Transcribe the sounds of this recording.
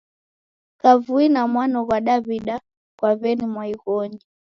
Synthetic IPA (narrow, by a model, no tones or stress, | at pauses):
kavuinamwanɔɣwaɗaβiɗa | kwaβɛnimwaiɣɔɲi